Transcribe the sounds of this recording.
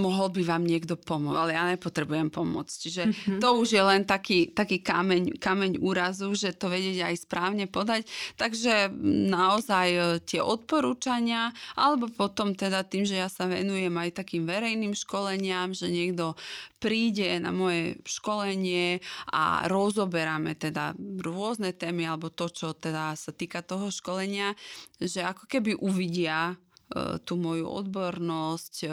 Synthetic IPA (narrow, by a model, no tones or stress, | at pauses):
mɔɦɔlbiʋaːmɲɪɛɡd̪ɔpɔmɔt͡salɛjaːɲɛpɔt̪ɾɛbujɛmpɔmʊɔ̰t͡sciʒɛt̪ɔuʒjɛlɛnt̪akiːt̪akiːkamɛɲkamɛɲuːɾazuʒɛt̪ɔʋɛɟɪɛɟajspɾaːʊɲɛpɔd̪act̪aɡʒɛnaɔzajt̪ɪɛʔɔt̪̚pɔɾuːt͡ʃaɲɪaʔa̰lɛbɔpɔt̪ɔmt̪ɛd̪at̪iːmʒɛjasaʋɛ̰nujɛmajt̪akiːmʋɛɾɛjniːmʃkɔlɛɲɪamʒɛɲɪɛɡd̪ɔpɾiːɟɛna̰mɔjɛʃkɔlɛɲɪɛʔa̰ɾɔzɔbɛɾamɛ̰t̪ɛd̪a̰ɾʊɔznɛt̪ɛːmialɛbɔt̪ɔt͡ʃɔt̪ɛd̪asat̪iːkat̪ɔɦɔʃkɔlɛɲɪaʒɛakɔ̥kɛbiʔuʋiɟɪa | t̪uːmɔjṵʔɔ̰d̪bɔɾnɔsc